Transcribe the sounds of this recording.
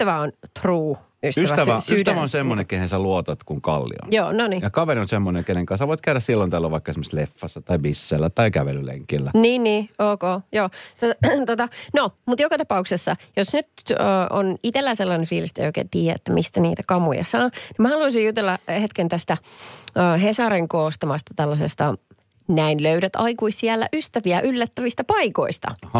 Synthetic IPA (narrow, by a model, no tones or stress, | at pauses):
st̪æʋæont̪ruː | ystyæsʋæt̪ææsyst̪æʋæonsemːonekehensæluot̪ɑt̪kuŋkɑ̰lːḭo̰joːnonijɑkɑʋeɾionsemːonekeneŋkɑnsɑʋoit̪kæyɾæssilːont̪ælːæʋɑikːɑesmose̥lefːɑsːɑt̪ɑibisːelːæt̪ɑikæʋḛlylḛŋkilːæniːnːiːoːkoːjoːt̪ot̪t̪ot̪ɑnomut̪jokɑt̪ɑpɑuksesːɑjosnyt̪əʔo̰nit̪elːæselːɑnefiːlist̪ḛjoikḛt̪iːjæḛt̪ːæmʔist̪ænḭːt̪ækɑmujɑ̰sɑːnimæhɑluɑsijut̪elːɑhet̪kent̪æst̪æəːɦesɑɾeŋkoːst̪ɑmɑst̪ɑ̥t̪ælːɑsest̪ɑ | næinløyɾæt̪ɑikuissiælːæ̰ʔyst̪æʋiæʔylːæt̪ːæʋist̪æpɑiko̰ist̪ɑ̰h